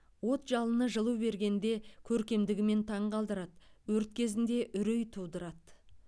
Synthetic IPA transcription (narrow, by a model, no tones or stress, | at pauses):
wo̞t̪ʒɑlˠənəʒəlˠuwbe̞ɾɡʲe̞nd̪e̞kʲʰɵɾkʲe̞md̪ɪɡʲɪme̞nt̪ʰɑɴqɑlˠd̪əɾɑt̪wɵɾt̪̚kʲʰe̞zɪnd̪e̞ʔʏɾejt̪ʰud̪əɾɑt̪